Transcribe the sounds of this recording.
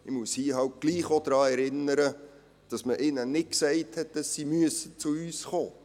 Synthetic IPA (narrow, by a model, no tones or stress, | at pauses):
ɪmushiːɦɑwt̚ɡ̥liːχod̥ɾɑːɛɾɪnəɾə | d̥ɑsməʔɪnənɪt̚ksɛɪthɛt̚d̥ɑsːimyəsət͡sʊyːsχoː